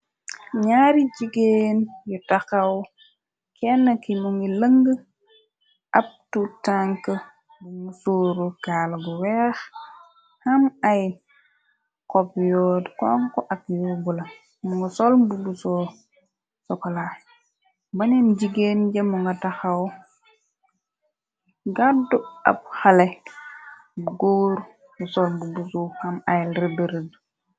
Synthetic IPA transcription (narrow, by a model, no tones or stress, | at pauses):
ɲaɾiɟiɡeːnjutɐxɐw | kʰɛnːɐkimuŋɡilɐŋɡə | ʔɐp̚tutaŋkə | buŋmusoːɾukaːlɐɡuwɛːx | hɐmɐj | kɔpjɔːdkɔŋkɔʔɐkjɔbulɐ | muŋɡasolbubuso | sɔkɔla | bɐninɟiɡenɟɐmuŋɡataxaw | ɡadua̰p̚xale | buɡoːɾ | busɔlmbubusuhɐmɐjɾebeɾed